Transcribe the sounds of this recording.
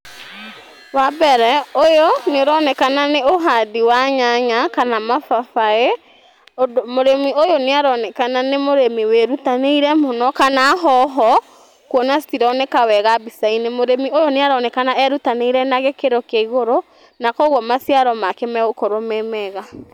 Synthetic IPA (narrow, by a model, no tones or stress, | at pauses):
wabɛɾɛojoneoɾɔnɛkananeoɦadiwaɲaɲakanamafafae | moɾemiojoneaɾɔnɛkananemoɾemiweɾutaneiɾɛmonɔkanaːɦɔɦɔ | kwɔnastiɾɔnekawɛɣabisainemoɾemiojoneaɾɔnɛkanaɛɾutaneiɾɛnaɣekeɾokeiɣoɾo | nakɔɣɔmasiaɾɔmakɛmɛɣokoɾomemɛɣa